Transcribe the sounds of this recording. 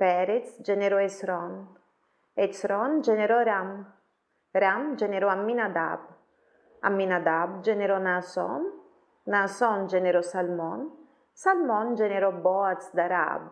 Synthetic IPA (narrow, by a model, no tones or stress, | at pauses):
pɛɾet̪sd͡ʒɛneɾɔesɾɔn | et̪sɾɔnd͡ʒɛneɾɔɾam | ɾamd͡ʒɛneɾɔamːinad̪a̰b | a̰mːinad̪abd͡ʒɛneɾɔnasɔ̰nː | asɔnd͡ʒɛneɾɔsalmɔn | salmɔnd͡ʒɛneɾɔbɔat̪sd̪aɾa̰b